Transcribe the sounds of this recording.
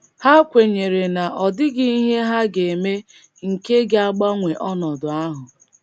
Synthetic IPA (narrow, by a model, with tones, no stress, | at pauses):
ha˦kʷe˨ɲe˨ɾe˨na˨ʔɔ˨dɪ˦ɡi˦i˦ɦe˦ɦa˦ɡe˨me˦ | ŋ̩˨ke˦ɡa˦ɡ͡ba˦ŋʷe˨ʔɔ˦nɔ˨dʊ˨a˦ɦʊ˨